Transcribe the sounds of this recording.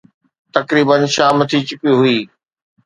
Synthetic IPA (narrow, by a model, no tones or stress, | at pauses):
t̪ɐkɾiːbənʃaːmət̪ʰit͡ɕʊpiɦʊiː